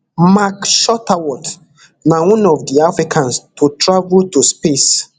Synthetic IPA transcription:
makʃɔtawɔt | nawɔ̃nɔvdiafɹikʰãnstʰutʰɹavultuspes

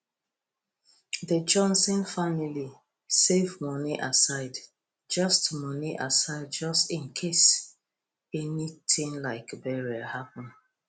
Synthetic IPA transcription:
ðəd͡ʒɔ̃nsɔ̃nfamili | sevmɔniʔasaɪd | d͡ʒɔstmɔniʔasaɪd̚d͡ʒɔstĩnkʰes | ɛnitʰĩŋlaɪkbɛɹiahapə̃n

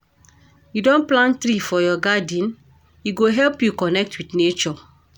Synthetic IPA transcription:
judɔ̃nplãntɾifɔjɔɡadĩn | jiɡoɦɛlpjukɔnɛk̚twitnet͡ʃɔ

